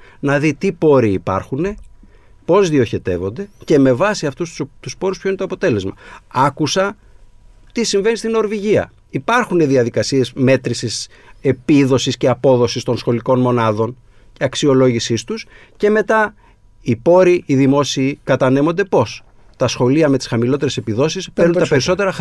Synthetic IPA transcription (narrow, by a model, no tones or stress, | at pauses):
nɐðit̪ipo̞ɾiːpɐ̰ɾxune̞ | po̞zðio̞çe̞t̪e̞̰vo̞nd̪e̞ce̞me̞vɐsiɐft̪ust̪t̪uspo̞ɾuspçoinet̪o̞ɐpot̪e̞le̞zmɐ̰ɐkusɐ | t̪isiɱve̞nist̪ino̞ɾviʝiɐ̰ | ipɐɾxune̞ðiɐðikɐsie̞zme̞t̪ɾisis | e̞piðo̞sisce̞ɐpo̞ðo̞sist̪o̞nsxo̞liko̞nmo̞nɐðo̞n | ceɐksio̞lo̞ʝisist̪us | ce̞me̞t̪ɐ | ipo̞ɾiːðimo̞siːkɐt̪ɐne̞mo̞nd̪e̞po̞s | t̪ɐsxo̞liɐme̞t̪i̥sxɐmilo̞t̪e̞ɾe̞se̞piðo̞sispeɾnunt̪ɐpeɾiso̞t̪e̞ɾɐx